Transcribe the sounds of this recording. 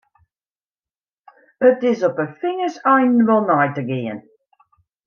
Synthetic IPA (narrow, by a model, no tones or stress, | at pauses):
ətɪsɔpəfɪŋəsɛjnʋɔlˠnɔjtəɡɪə̰n